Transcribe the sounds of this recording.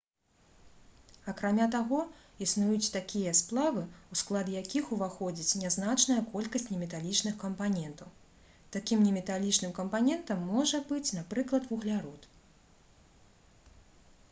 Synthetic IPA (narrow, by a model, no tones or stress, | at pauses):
ɐkɾamʲat̪aɣɔ | isnujut͡sʲt̪akʲijɐsplˠavɨusklˠad̪jakʲixuvaxɔd͡zʲit͡sʲnʲaznat͡ʂnɐjɐkɔlʲkɐsʲt͡sʲnʲɛmʲɛt̪alʲit͡ʂnɨxkɐmpanʲɛnt̪ɐw | t̪akʲimnʲɛmʲɛt̪alʲit͡ʂnɨmkɐmpanʲɛnt̪ɐmːɔʐɐbɨt͡sʲnapɾɨklˠɐt̪vuɣlʲaɾɔt̪